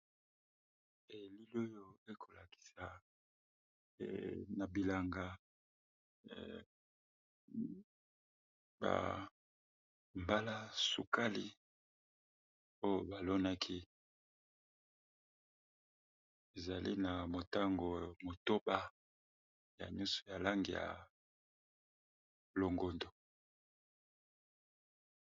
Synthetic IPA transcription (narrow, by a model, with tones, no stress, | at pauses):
e˨li˦lo˦jo˦e˦kʰo˨la̰˨ki̥˨sa˨ | na˨bi˨la˨ŋɡa˨ | ba̰˨ | mba˦la˦su˨ka˦li˦ | o˦jo˨ba˨lo˦na˦kʰi˦ | e˨za˨lḭ˦na˨mo˨ta˦ŋɡo˨mo˨to˦ba˦ | ja̰˨ɲɔ˦so̥˨ja˨la˦ŋɡi˨ja̰˨ | lo˨ŋɡo˨ndo˨